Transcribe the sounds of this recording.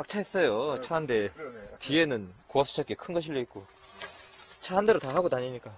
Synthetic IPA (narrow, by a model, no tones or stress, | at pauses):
ak̚t͡ɕʰaɦes͈ʌjot͡ɕʰaɦande̞tie̞nɯnkoʌps͈ʰu̥t͡ɕʰak͈ekʰɯnɡʌɕʰiʎːʌik̚k͈o | t͡ɕʰaandeɾotaɦaɡotaɲiɲik͈a